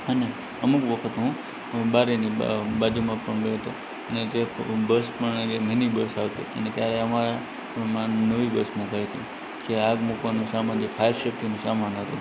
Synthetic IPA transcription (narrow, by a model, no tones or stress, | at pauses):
əne | əmukʋəkʰət̪ɦũ | baɾenibad͡ʒumãpəɳbeɦət̪o | əned͡ʒebəspəɳd͡ʒemɛnibəsaʋt͡ʃʰḛʔə̰net̪jaɾeəmaɾa | mãnəʋibəsmukajt̪ʰḭ | d͡ʒeaɡmukʋanũsamanifʰajəɾʃep̚ʈinũsamanɦət̪o